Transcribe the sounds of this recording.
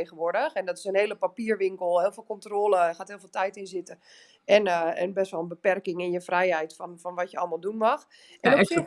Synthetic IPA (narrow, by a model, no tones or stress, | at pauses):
eɣənʋʊɹdəxɛndɔtɪsənheːləpapiːərʋɪŋkəlˠhɪːlˠfɪːlˠkontroːləɛxaːtɦɪːlˠfɪːlˠtɛjtɪnzɪtə | ɛnəɛnbɛstʋɔlˠənbəpɛrkɪŋɪnjəfrɛjhɛjtfɔnfɔnʋɔtjəɔ̰lˠmalˠdunmɑx | ʔɛns